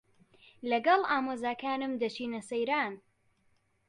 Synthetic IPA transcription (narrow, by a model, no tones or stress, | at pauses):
lɐɡɐlˠaːmoːzaːkaːnɨmd̪ɐt͡ʃiːnɐsɐjɾaːn